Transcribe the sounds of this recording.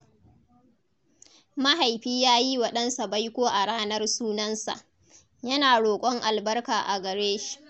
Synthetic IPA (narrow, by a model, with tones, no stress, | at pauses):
ma˦ɦa˨jɸiː˦jaː˦ji˦wɐ˦ɗɐ˦nsa˨ba˦jkʷoː˦ʔa˨ɽaː˦nɐ˦rsuː˦nɐ˦nsa̰˨ʔ | jɐ˦naː˨ɽoː˨kʷʼɔ˦ŋʔa˨lbɐ˦rkaː˨ʔa˨ɡɐ˨ɽeː˦ʃi̥˨ʔ